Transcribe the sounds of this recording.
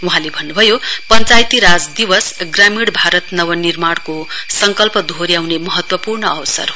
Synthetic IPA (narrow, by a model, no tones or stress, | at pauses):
uɦãlebʱʌnːubʱʌjopʌnt͡sajt̪iɾad͡zd̪iwʌsɡramiɽbʱaɾʌt̪nʌwʌnirmaɽkosʌŋkʌlpʌd̪ʱoɾjawnemʌɦʌt̪wʌpurnʌʌwsʌ̰r